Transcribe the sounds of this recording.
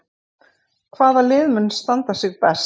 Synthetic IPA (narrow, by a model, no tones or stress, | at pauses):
kʰvaːðalɪːðmʏnst̪ant̪asɪɣpɛs